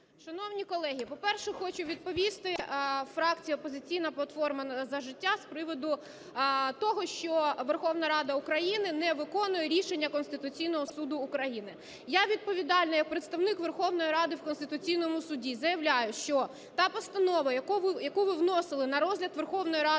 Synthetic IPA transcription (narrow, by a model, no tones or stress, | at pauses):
ʃɐnɔwnʲikɔlˠɛɦʲipɔpɛrʃɛxɔt͡ʃʊʋʲid̪̚pɔʋʲist̪ɪfɾɑkt͡sʲijɐɔpɔzɪt͡sʲijnɐplˠɐt̪fɔrmɐnzɐʒɪtʲːaspɾɪʋɔd̪ʊ | t̪ɔɦɔʃt͡ʃɔʋerxɔwnɐɾɑd̪ɐʊkɾɐjinɪnɛʋɪkɔnʊjɛɾʲiʃenʲːɐkɔnst̪ɪt̪ʊt͡sʲijnɔɦɔsud̪ʊːkɾɐjinɪ | jaʋʲid̪̚pɔʋʲid̪ɑlʲnɔjɐk̚pɾet̪st̪ɐwnɪkʋerxɔwnɔjiɾɑd̪ɪwkɔnst̪ɪt̪ʊt͡sʲijnɔmʊsʊdʲizɐjɐʋlʲajʊʃt͡ʃɔ | t̪ɑpɔst̪ɐnɔʋɐjɐkɔʋɪjɐkuʋɪwnɔsɪlˠɪnɐɾɔzʲlʲɐd̪ʋerxɔwnɔjɾɑ